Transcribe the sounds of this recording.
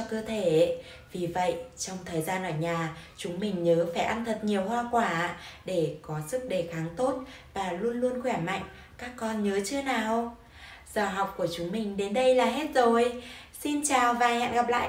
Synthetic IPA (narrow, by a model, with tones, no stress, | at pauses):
ɔ˧kəː˧t̪ʰe˧˩˧ | vi˨˩və̰˧˨jt͡ɕɔ˧wŋ͡mt̪ʰəː˨˩jzaː˧nʔəː˧˩ɲaː˨˩t͡ɕʊ˨˦ŋ͡mmï˨˩ŋ̟ɲəː˨˦faː˧˩jʔa˧nt̪ʰə˨˩t̚ɲi˨˩əwɦwaː˧kwaː˧˩˧ɗe˧˩kɔ˨˦sɨ˦˥k̚ɗe˧˩xaː˨˦ŋt̪o˦˥t̚ | vaː˨˩lu˧ənlu˧ənxwɛ˧˩ma̰˧˨jŋ̟ | kaː˦˥kːɔ˧nɲəː˨˦t͡ɕɨ˧ənaː˨˩w | z̥aː˨˩ɦa˨˩wk͡p̚ku˧˩ət͡ɕʊ˨˦ŋ͡mmï˨˩ŋ̟ɗe˨˦nɗə˧jlaː˨˩ɦe˦˥t̚zo˨˩jsi˧nt͡ɕaː˨˩wvaː˨˩jha̰ː˧˨nɣa˨˩p̚la̰ː˧˨j